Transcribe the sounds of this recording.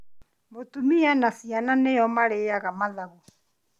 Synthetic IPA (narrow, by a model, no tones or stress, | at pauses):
mbot̪ʼumianasiananɛjɔmaɺɛjaɣamalaɣɔ